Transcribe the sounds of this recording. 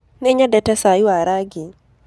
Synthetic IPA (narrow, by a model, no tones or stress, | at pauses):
nɛɲadatasajiwaɾaɡɪ